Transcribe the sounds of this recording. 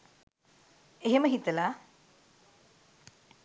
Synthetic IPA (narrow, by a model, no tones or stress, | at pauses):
eɦeməɦit̪ɐla